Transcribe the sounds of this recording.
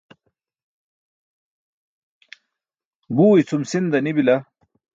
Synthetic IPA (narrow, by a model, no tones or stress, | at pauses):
buːit͡sʰumsind̪ɐnibilɐ